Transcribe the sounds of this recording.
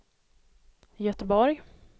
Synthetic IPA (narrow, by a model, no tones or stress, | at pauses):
jœt̪əbɔɾj